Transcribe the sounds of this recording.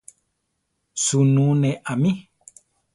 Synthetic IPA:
sunũnẽʔamĩ

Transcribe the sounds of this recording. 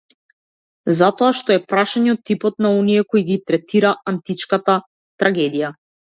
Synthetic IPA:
zat̪ɔaʃt̪ɔɛpɾaʃaɲɛɔt̪ːipɔt̪naɔniɛkɔjɡit̪ɾɛt̪iɾaant̪it͡ʃkat̪a | t̪ɾaɡɛd̪ija

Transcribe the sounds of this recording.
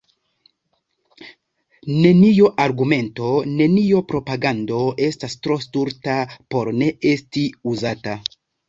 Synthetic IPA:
ne̞nioʔaɾɡume̞nto̞ne̞niopɾo̞paɡando̞e̞stastɾo̞stuɾtapo̞ɾne̞e̞stiuzata

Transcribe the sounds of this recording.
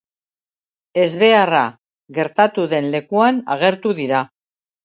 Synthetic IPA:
e̞zβe̞ara | ɣe̞ɾt̪at̪uðe̞nle̞kuana̰ɣ̞e̞ɾt̪uðiɾa

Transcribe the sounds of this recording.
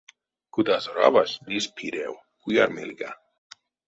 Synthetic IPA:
kud̪azoɾa̰vasd̪ispʰiɾḛw | kuja̰ɾmḭlɡa

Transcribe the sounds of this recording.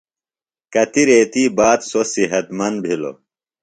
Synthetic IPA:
kɐt̪iɾeːt̪iːbaːt̪sosiɦɐt̪mɐnbʱilo̰

